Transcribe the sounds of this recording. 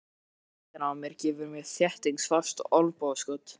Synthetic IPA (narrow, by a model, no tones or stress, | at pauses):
t̪ɪnawmjɛɾ̥cɛːvʏɾmɛðθjɛht̪iŋksfḁst̪ɔlpoːðskɔːt̪